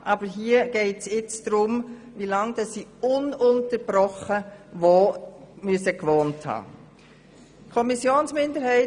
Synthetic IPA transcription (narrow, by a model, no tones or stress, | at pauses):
ʔɑb̥əɾɦiːəɡ̥ɛɪtsɪt͡sd̥ɾʊm | ʋilɑŋd̥ɑsːiːʊnʊntəb̥ɾɔχəʋoːmyəsəkʋoːnthɑ̰ː | kʰɔmisjoːnsmɪndəɾhɛɪ